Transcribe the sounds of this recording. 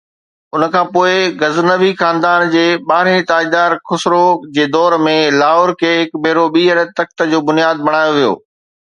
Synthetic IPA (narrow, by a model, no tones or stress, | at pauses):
ʊnə̆kʰãːpoːɪɡɐznəʋixaːnd̪aːnd͡ʑeːɓaːɾẽt̪aːid̪aːɾkʊsɾod͡ʑeːd̪ɔːɾmẽlaːɦoːɾkʰeːɦɪkbʱeːɾoɓiːɦəɾət̪ɐk̚t̪ə̆d͡ʑoːbʊnijaːd̪̚bɐɽ̃aːjoʋijo̰ː